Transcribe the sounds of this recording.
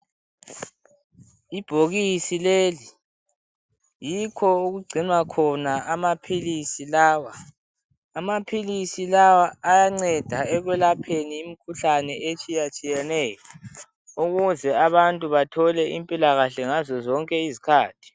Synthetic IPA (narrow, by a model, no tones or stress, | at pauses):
ib̥ʱoɣisileːli | jikʰɔuɣuɡ͡ǀʱinwakʰɔnaamapʰilisilaːwaː | mapʰilisilawaːjaŋ͡ǀɛd̥ʱaɛɣwɛlapʰeniːmikʰuɬanɛʔet͡ʃʼijat͡ʃʼijɛnɛjɔ | uɣuzɛaβantʼuβatʰɔlɛḭmpʼilaɣaɬɛŋazɔzɔŋkʼɛizikʰaːtʰi̥